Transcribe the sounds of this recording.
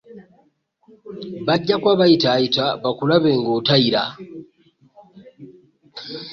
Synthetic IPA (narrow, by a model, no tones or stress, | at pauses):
βaɟːakwaβajitaːjitaβakulaβe̞ːŋɡotaiɾa